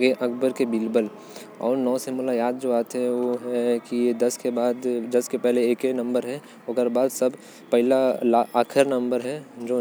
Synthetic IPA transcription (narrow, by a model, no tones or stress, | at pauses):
ɡeʔɐɡbəɾkebilbəl | ɔ̰ːɾnɔːsemulajaːd̪̚d͡ʒoːaːt̪ɦɛ̃ʋoɦɛkied̪ɐskebaːd̪d̪ɐskepɛɦleeːkenɐ̃mbəɾɦɛ | okəɾbaːd̪sɐb | pɛɦɪlalaʔaːkʰɪɾnɐ̃mbəɾɦɛd͡ʒoː